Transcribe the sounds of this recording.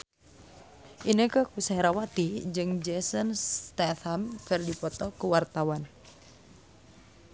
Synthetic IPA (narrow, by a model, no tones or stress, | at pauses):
ʔinəkəkusaɛɾawat̪id͡ʒɨŋd͡ʒɛsənst̪ɛθamfɛrdipɔt̪ɔkəwart̪awan